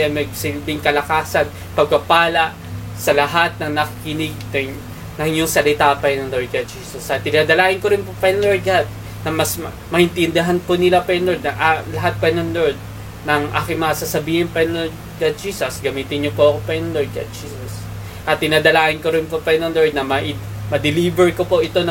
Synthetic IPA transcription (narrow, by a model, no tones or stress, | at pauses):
amɐɡsɪlbɪŋkɐlɐkaːsɐn | pɐɡ̚pɐpaːlɐʔ | sɐlɐɦat̪̚nɐŋnɐkikɪnɪɡ̪̚ɐ | nɐŋjʊŋsɐlɪt̪aʔpɐnɐnloɹɡɐt̪̚d͡ʒiːsɐsʔɐt̪̚ːɪnaːd̪ɐlaːʔɪnkoɾɪnpopɐnloɹd̪̚ɡad̪̚ | nɐmɐs | mɐʔɪnt̪ɪnd̪ɪɦanponɪlapɛnlod̪̚nɐŋʔalɐɦat̪̚pɐnonloɹd̪̚ | nɐŋʔa̰ːkɪŋmɐŋasaːsɐbiːhɪnpɐnloɹ | ɡɐd̪̚d͡ʒiːsɐsɡɐmiːt̪ɪnɲopoʔɐkopɛnloɹd̪̚ɡɐ̰t̪̚d͡ʒiːsɐs | ʔɐt̪̚ːɪnaːd̪ɐlaːʔɪnkoɾɪnpopɛnonloɹd̪̚nɐmɐʔi | mɐd̪ɪlibɛɹkopo̞ʔɪt̪o̞nɐ